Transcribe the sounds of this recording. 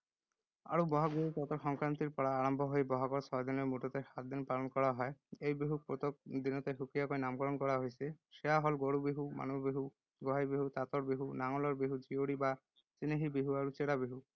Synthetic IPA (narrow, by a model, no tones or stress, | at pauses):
a̰ɽubɔɦaɡuit̪ɔt̪ɔɾxɔŋkɾant̪iɾpɔɽaːɾɔmbʱɔɦojbɔɦakɔɾsɔd̪inemuʈɔt̪ehat̪d̪inpalɔnkɔɽaɦɔeejbiɦupɾot̪ok̚d̪inɔt̪eɦukijakɔinamkɔɾɔnkɔɽaɦojsiʃeaɦɔlɡoɽubiɦuma̰nubiɦu | ɡɔɦajbiɦut̪at̪ɔɾbiɦunaŋɔlɔɾbiɦud͡ʒioɽiba | t͡ʃineɦibiɦuaɽut͡ʃeɽabiɦu